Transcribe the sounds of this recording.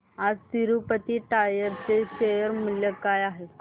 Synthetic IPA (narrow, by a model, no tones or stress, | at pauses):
ad͡ztiɾupət̪iːʈajəɾt͡seɕejəɾmuljəkajaɦe